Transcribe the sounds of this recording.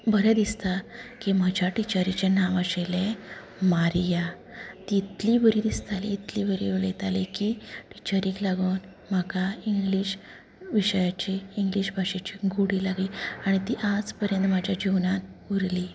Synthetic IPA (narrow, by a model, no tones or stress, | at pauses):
bʱəɾɛd̪ist̪akiməd͡ʑʱaʈit͡ɕaɾit͡ɕanaʋasele | maɾja | t̪iːt̪libəɾiːd̪ist̪alḭːt̪liːbəɾiʋlə̰jt̪alekiʈit͡ɕaɾiːklaɡuːn | makaiŋɡliɕ | ʋiɕəjat͡ɕeːŋɡliɕbʱaʂet͡ɕiɡuɽiːlaɡliːaɽ̃it̪iːʔad͡zpəɾjə̃nt̪m̤ad͡ʑʱjad͡ʑiʋnanuɾli